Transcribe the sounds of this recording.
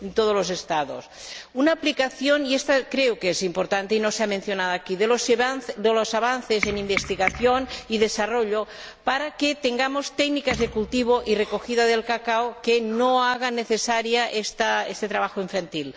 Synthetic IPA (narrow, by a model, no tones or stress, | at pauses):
ent̪oð̞olozest̪aðo̰sunaːplikaθjoniest̪akɾeokezimpoɾt̪ant̪einoseamẽnθjonaðoakiðelosd̪elosaβanθesenimbest̪iɣaθjoniðesaroʎo | paɾaket̪eŋɡamost̪ɛɡnikazðekult̪iβ̞oʔirekoxiðaðelkakaokenoaɣ̞aneθesaɾjaʔest̪aest̪et̪ɾaβaxoiɱfant̪il